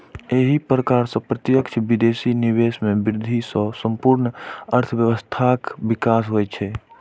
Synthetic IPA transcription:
eːɦipɾəkaːɾsə̃pɾət̪jəkt͡ʃʰbid̪eːsiniweːsmẽbɪɾd̪ʱisɔ̃sə̃mpuɾnəɾt̪ʰəʋjəʋəst̪ʰakbɪkaːsɦoːɛt͡ʃʰɛː

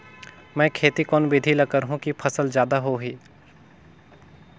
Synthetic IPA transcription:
mɛ̃ːkʰeːt̪ikɔːnbɪd̪ʱilɐkəɾɦũkipʰɐsəld͡ʒjaːd̪aɦoɦiː

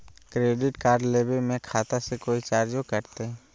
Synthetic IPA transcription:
kɾeːɖɪʈkaːɾɖleːbemẽkʰaːt̪asekoːit͡ʃaːɾd͡ʒokɐɾt̪eɦɛː

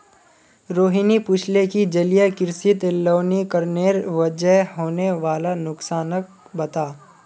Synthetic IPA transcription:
ɾoːɦinipʊt͡ʃʰlekid͡ʒɐlijakɪɾsɪt̪ɪlːoːnikəɾneːɾʋəd͡ʒəɦɦoːneʋaːlanʊksaːnək̚ | bɐt̪aː

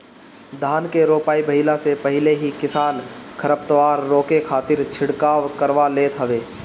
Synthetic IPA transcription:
d̪ʱaːnkeɾoːpaːibɐɦɪlasepɐɦɪleɦikɪsaːnkʰəɾəp̚t̪əʋaːɾːoːkekʰaːt̪ɪɾt͡ʃʰɪɽkaːʋkəɾʋaleːt̪ɦɐʋeː

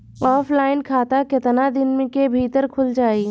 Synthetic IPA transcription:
ɔːfpʰlaːɪnkʰaːt̪akɪt̪nad̪ɪnmkebʱiːt̪əɾkʰʊld͡ʒaːiː

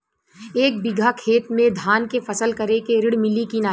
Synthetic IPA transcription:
eːk̚bɪɡʱakʰeːt̪mẽd̪ʱaːnkefɐsəlkɐɾekeɾɪɽmɪlikinaː

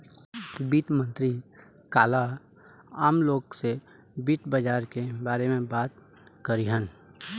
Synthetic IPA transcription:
biːt̪mə̃nt̪ɾi | kaːla | aːmloːɡse | biːt̪bəd͡ʒaːɾkebaːɾemẽbaːt̪ | kəɾiɦən

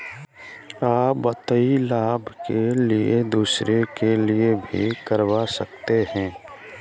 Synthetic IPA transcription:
aːbət̪əilaːbʱkelied̪uːsɾekeliebʱḭkəɾʋasək̚t̪ehɛ̃ː

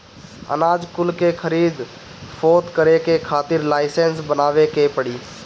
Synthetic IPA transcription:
ə̰naːd͡ʒkʊlkekʰəɾiːd̪ | fʰoːt̪kəɾekekʰaːt̪ɪɾlaːɪsensbənaːʋekepəɽiː

